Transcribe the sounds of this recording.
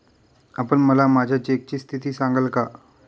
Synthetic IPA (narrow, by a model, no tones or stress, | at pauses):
əpəɳməlamaːd͡ʑʱat͡ɕiek̚t͡ɕiːst̪ʰit̪iːsãŋɡəlka